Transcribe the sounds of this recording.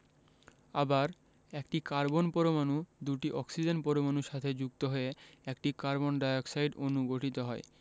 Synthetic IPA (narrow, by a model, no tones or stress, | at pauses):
abaɾ | ekʈikaɾbonpɔɾomanud̪uʈiʔɔksid͡ʑenpɔɾomanuʃat̪ʰed͡ʑuɡ̚t̪oɦoeɛkʈikaɾbonɖajoksajɖonuɡoʈit̪oɦɔe